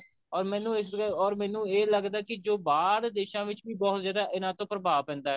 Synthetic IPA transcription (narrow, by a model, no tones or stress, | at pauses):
ɔːɾmɛ̃ːnũːɪsɔːɾmɛ̃ːnũːeːləɡd̪aːkɪd͡ʒoːbaːɾd̪eːʃãːʋɪt͡ʃʋiːbɔːt̪zjaːd̪aːʔɪnãːt̪õːpɾəbaːʋpɛ̃ːnd̪aːɦɛː